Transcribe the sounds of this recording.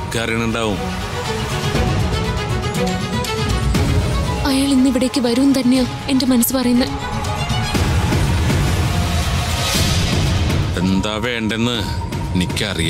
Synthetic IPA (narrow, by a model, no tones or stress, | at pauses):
kaːrjɐɳuɳɖaːʋum | ɐjaːɭinːiʋiɽe̞ːkʲːɨʋɐɾuʋunːt̪ɐnːejo | e̞nde̞mɐnɐsːɨpɐrɐjunːɐð | end̪aːʋeːɳɖe̞nːɨ | nikʲːaɐrija